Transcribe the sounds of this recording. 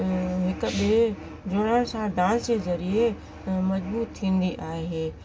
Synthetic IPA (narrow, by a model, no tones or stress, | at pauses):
ɦɪk̆ɓie | d͡ʑoɽəɽ̃̆sãɖãːsd͡ʑezɐɾie | mɐzbuːt̪t̪ʰːĩːn̆d̪iʔaːɦeː